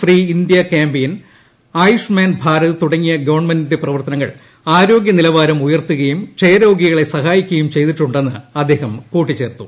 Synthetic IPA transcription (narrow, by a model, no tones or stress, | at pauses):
friːind̪jɐkaːmbejin | aːjuʂmaːnbʱaːɾɐðɨt̪uɽɐŋːijɐɡɐʋɐrɳmendindɨprɐʋɐrt̪ɐnɐŋːɐ̰ɭ | aːɾo̞ːɡjɐnilɐʋaːɾɐmujɐrt̪ːuɣɐjumt͡ɕejɐɾo̞ːɡiɣɐɭe̞sɐɦaːjikʲːuɣɐjumt͡ɕe̞jt̪iʈːuɳɖe̞nːɨ̰ɐd̪ːe̞ːɦɐmkuːʈːit͡ɕːe̞ːrt̪ːu